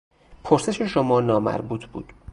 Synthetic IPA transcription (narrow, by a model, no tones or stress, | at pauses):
pʰoɾse̞ʃe̞ʃomɒːnɒːmæ̰ɾbuːt̪ʰbṵːd̪̥